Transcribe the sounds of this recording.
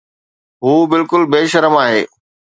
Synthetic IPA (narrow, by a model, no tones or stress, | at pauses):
ɦuːbɪlkʊlbeːʃɐɾəmaːɦeː